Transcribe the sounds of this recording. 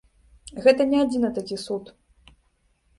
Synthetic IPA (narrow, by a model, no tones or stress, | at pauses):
ɣɛt̪ɐnʲɛad͡zʲinɐt̪akʲisut̪